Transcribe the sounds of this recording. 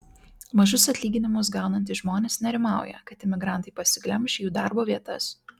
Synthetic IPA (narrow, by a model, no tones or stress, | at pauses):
mɐʒʊsɐt̪ʲlʲiːɡʲɪnʲɪmʊs̬ɡɑˑʊnɐnʲt̪ʲɪʒmoːnʲeːsnʲɛɾʲɪmɑˑʊjɛ̰kɐt̪ɪmʲɪɡɾɑˑnt̪ɐɪpɐsʲɪɡlʲɛmʲʃʲɛjuːd̪ɑˑɾboːʋʲiɛt̪ɐs